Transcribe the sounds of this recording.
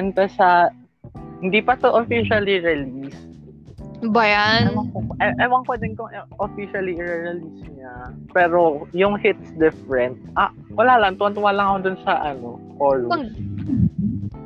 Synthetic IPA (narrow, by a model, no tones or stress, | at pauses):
ɐnt̪ɐsɐ | hɪnd̪ipɐt̪oʔofiʃɐliɹɛlis | bɐjaɐmɐŋkoʔɐʔɐjwɐŋkod̪ɪnkoŋɛʔofiʃɐliɪɹɛɹɛliːsɲapɛːɾojʊŋhɪt̪̚sd̪ɪfɾɛnt̪̚ʔa | wɐlaːlɐŋt̪ʊwɐnt̪ʊwalɐŋɐkod̪ʊnsɐʔɐno̞koːlu